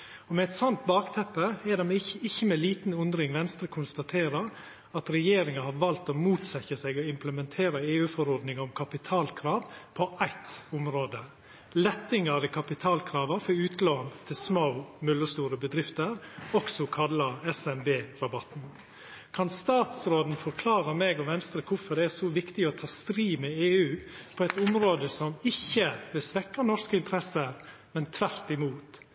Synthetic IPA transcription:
ɔmɛɛt̪sɔnt̪̚bɑːkt̪ʰɛpːəɛd̪ɛmɪɪçːəmɛliːt̪n̩ʉnd̪ɾɪŋʋɛnst̪ɾəkʰʊnst̪ɑt̪ʰeːɾəɾ | ɑt̪ɾɛjeːɾɪŋɑhɑɾʋɑlt̪omuːt̪sɛçəsɛɡɔɪmpləmɛnt̪ʰeːɾəeːʉːfɔɾɔɾd̪nɪŋəɔmkʰɑpɪt̪ʰɑːlkʰɾɑːʋpʰɔʔæɪt̪ʊmɾoːd̪ə | lɛt̪ːɪŋɑɾɪkʰɑpɪt̪ʰɑːlkʰɾɑːʋəfɔʉːt̪loːnt̪ʰɪlsmaʊmʉlːəst̪uːɾəbəd̪ɾɪft̪əɾɔksɔkʰɑlːɑɛsɛmbeːɾɑbɑt̪n̩ | kʰɑnst̪ɑːt̪sɾoːd̪n̩fɔɾkʰlɑːɾəmeːɡɔʋɛnst̪ɾəkʰʊfɔɖ̪ɛæɾsɔʋɪkt̪ɪɔt̪ʰɑːst̪ɾiːmɛeːʉːpʰɔɛɪt̪ʊmɾoːd̪əsɔmɪçːəʋɪlsʋɛkːɑnɔɾskəɪnt̪əɾɛsəɾ | mɛnt̪ʰʋæɾt̪ɪmuːt̪

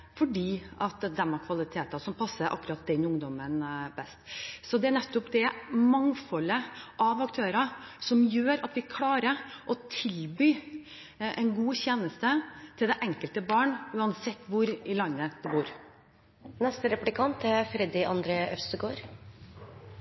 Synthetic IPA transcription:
fɔɖiːʔɑt̪d̪ɛmɑkʰʋɑlɪt̪ʰeːt̪ɑsɔmpʰɑsːəɾʔɑ̰kːʉɾɑt̪̚d̪ɛnʊŋd̪ɔmənbɛst̪sɔd̪ɛænɛt̪ːɔpd̪ɛmɑŋfɔlːəʔɑʋɑkt̪ʰøːɾɑsɔmjøːɾɑt̪ʋɪkʰlɑːɾəʔɔt̪ʰɪlbyː | ʔɛɪnɡuːçeːnəst̪ət̪ʰɪld̪ɛʔɛŋkəlt̪əbɑːɳʉːɑnsɛt̪ːʋʊɾɪlɑnːəd̪̥ɛbuːɾ | nɛst̪əɾɛplɪkʰɑnt̪ʰæfɾɛd̪ɪʔɑnd̪ɾeːœfst̪əɡoːɾ

